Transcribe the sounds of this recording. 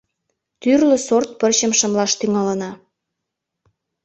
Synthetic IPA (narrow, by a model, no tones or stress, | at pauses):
t̪yrlə̆sort̪̚pərt͡ɕəmʃə̆mlɑʃt̪yŋɑlə̆nɑ